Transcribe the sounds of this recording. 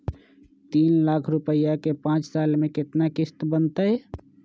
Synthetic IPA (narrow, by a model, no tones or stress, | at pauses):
t̪iːnlakʰɾupəjakepãt͡ʃsalmeket̪nakɪst̪bənt̪əj